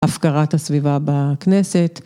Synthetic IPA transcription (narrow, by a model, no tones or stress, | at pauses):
afkaʁathasvivabakneset